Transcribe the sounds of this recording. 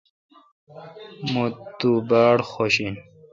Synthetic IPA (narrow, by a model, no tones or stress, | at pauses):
mut̪ːubaːɽxoɕin